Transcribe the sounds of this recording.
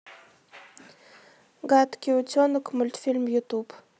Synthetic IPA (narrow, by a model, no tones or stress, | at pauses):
ɡat̪kʲit͡ʃonʊkmʊlʲt̪filmjut̪ub